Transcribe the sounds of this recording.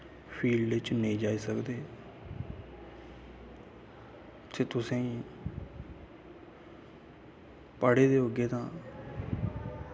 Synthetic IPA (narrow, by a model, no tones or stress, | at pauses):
pʰiːlɪt͡ʃneĩːd͡ʒaːiːsəkd̪eː | t̪ʰeːt̪ʊsẽːiː | pəɽeːd̪eːoɡeːt̪ãː